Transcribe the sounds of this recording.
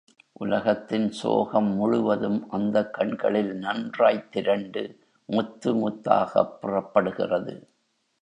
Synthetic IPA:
ʔʊlɐɣɐt̪ːɪnso̰ːɣɐmːʊɻʊʋɐðɯmʔɐnd̪ɐkːɐɳɡɐ̰ɭɪlnɐndraːjt̪ːɪɾɐɳɖɯ | mʊt̪ːɯmʊt̪ːa̰ːɣɐ̰pːʊrɐpːɐɽɯɣɪ̰rɐðɯ

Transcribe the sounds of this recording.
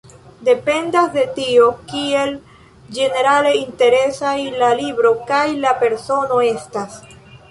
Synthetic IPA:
de̞pe̞ndasde̞tio̞kie̞l | d͡ʒe̞ne̞ɾale̞inte̞ɾe̞sailalibɾo̞kajlape̞ɾso̞no̞estas

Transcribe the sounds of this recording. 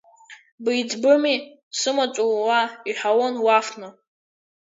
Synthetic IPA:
bijd͡zbɨmi | sɨmat͡ʃʷʼuwaiħʷawonwafnɨ

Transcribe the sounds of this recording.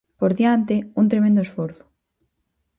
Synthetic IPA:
poɾðjant̪eunt̪ɾemẽnd̪oesfoɾθʊ̥

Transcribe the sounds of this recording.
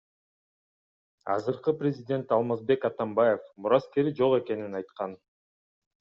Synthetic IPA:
ɑ̰zɯɾqɯprʲɪzʲɪdʲe̞nt̪ɑlˠmɑzbe̞kɑt̪ɑmbaje̞fmuɾɑske̞ɾid͡ʒo̞ʁe̞ke̞ninɑjt̪qɑn

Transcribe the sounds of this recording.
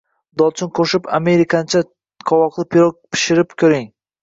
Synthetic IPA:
d̪ɒlt͡ʃʰʊnqʰoʃɪpa̰me̞ɾɪkʰant͡ʃʰa | qʰɒwɒqd̪ɪpʰɪɾok̚pʰɪ̥ʃɪɾɪpkʲʰɵɾɪŋ

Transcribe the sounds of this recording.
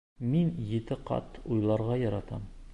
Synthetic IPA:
minjĕt̪ɘqɑ̰t̪ujlˠɑɾʁɑjɒɾɑt̪ɑ̰m

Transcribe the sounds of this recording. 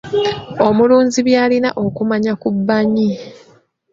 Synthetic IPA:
o̞muluːɲziβjaːlina̰ʔo̞kumaɲakubːaɲi

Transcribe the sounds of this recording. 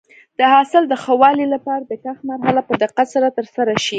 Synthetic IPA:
d̪̥əhɑsɪld̪əxawɑlilapɑɾad̪əkaxmaɾɦalapəd̪ɪqat̪saɾat̪əɾsaɾaʃi

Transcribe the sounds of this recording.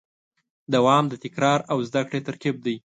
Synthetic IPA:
d̪awɑmd̪ət̪ɪkɾɑɾawzd̪akɽet̪aɾkib̚d̪aj

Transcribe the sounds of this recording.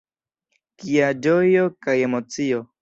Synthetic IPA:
kiad͡ʒojo̞kaje̞mo̞t͡sio̞

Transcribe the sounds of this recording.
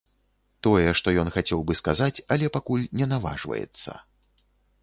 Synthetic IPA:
t̪ɔjɛʂt̪ɔjɔnxat͡sʲɛwbɨskazat͡sʲɐlʲɛpakulʲnʲɛnava̰ʐvɐ̰jɛ̰t̪sːɐ̰

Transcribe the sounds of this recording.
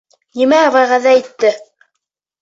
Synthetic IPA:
nimæʁæʁæðæit̪ːɘ

